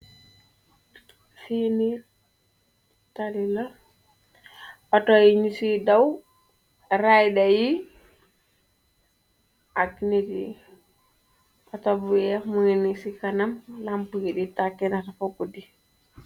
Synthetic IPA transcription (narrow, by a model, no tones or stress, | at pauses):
fini | talila | ɔtɔjiɲusidaw | ɾajdaji | akinedi | atɔbujamuŋinisikanamlampukiɗitakɛnatafokːudi